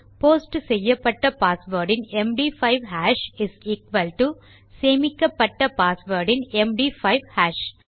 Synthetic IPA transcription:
poːsʈsɛjːɐpːɐʈːɐpaːsʋəɾɖɪ̃nɛmɖiːfaɪʋhæːʃɪsiːkʋɐlʈu | seːmɪkːɐpːɐʈːɐpaːsʋəɾɖɪ̃nɛmɖiːfaɪʋhæːʃ

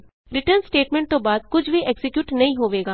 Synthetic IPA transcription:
ɾɪʈəɾnsʈeːʈmẽɳʈ̚t̪õːbaːd̪̚kʊt͡ʃʰʋiʔɛksɪkjuːʈnɐɦĩɦoːʋeːɡaː

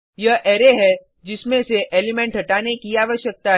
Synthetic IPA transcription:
jɐʔɛːɾeɦɛ | d͡ʒɪsmẽseʔeːlɪmẽɳʈɦɐʈaːnekiaːʋəʃjək̚t̪aɦ

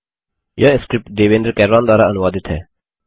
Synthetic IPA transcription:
jʔaːɪskɾɪp̚ʈd̪eːʋẽːnd̪ɾkɛːɾɾãːnd̪aːɾaənʊʋaːd̪ɪt̪ɦɛ̰ː

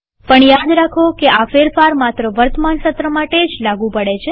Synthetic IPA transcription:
pəɳjad̪ɾakʰokeafeɾfaɾmat̪ɾəʋəɾt̪əmansət̪ɾəmaʈed͡ʒlaɡũpəɽet͡ʃʰe

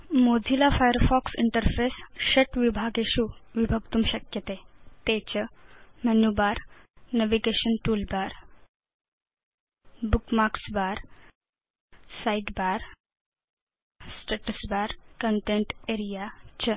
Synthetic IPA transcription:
mod͡zʱilafajəɾfɔksiɳʈəɾfesɕəʈʋibʱaɡeɕuːʋibʱəɡt̪umɕəkjət̪et̪et͡ɕəmənjubaɾnəʋiɡeɕənʈuːlbaɾ | bukmaksbaɾ | saiʈbaɾ | sʈeʈəsbaɾkəɳʈeɳʈeɾijat͡ɕə

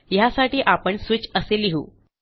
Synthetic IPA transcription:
jasaʈiːʔapəɳsʋit͡ɕəseliɦṵː

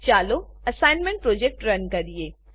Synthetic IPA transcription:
t͡ʃaːloɐsaːɪnmẽɳʈ̚pɾoːd͡ʑek̚ʈɾɐnkɐɾieː

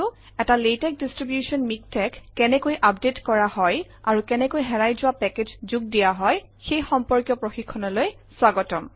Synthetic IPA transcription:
ʊ | ɛtaletɛk̚distɹibjusɔnmik̚tɛkːɛnɛkojʔap̚detkɔɹahɔj | aɹukɛnɛkojɦɛɹajzʊwapɛked͡ʒzuɡ̚dijaɦɔj | xejxɔmpɔɹkjɔpɹoxikʰːɔnɔloj | swaɡɔtɔm

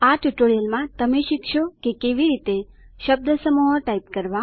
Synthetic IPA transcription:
aʈuʈoɾijəlmãt̪əmeʃikʃokekeʋiɾit̪eʃəb̚d̪ʱəsəmuɦəʈaip̚kəɾʋa

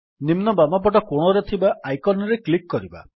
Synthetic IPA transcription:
nimnɔbamap̬ɔʈɔkoɽ̃ɔɾet̪ʰibaajkɔnɔɾeklikːɔɾiba̰

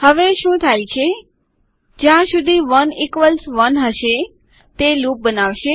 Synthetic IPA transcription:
həʋeʃũt̪ʰajt͡ʃʰe | d͡ʒjãsud̪ʱiʋənikʋəlsʋənɦəʃe | t̪elup̚bənaʋʃe

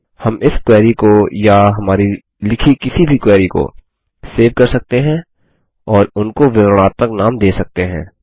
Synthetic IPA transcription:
hɐmɪskwɛːɾikojaɦɐmaːɾi | lɪkʰikɪsibʱikwɛːɾiko̰ | seːʋkɐɾsɐk̚t̪eɦɛ̃ | ɔːɾʊnkoʋɪʋɾəɽ̃aːt̪məknaːmd̪eːsɐk̚t̪eɦɛ̰̃ː

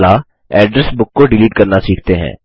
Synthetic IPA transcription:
la | ɛːɖɾəsbʊkːoɖɪliːʈkɐɾnasiːkʰt̪eɦɛ̰̃ː

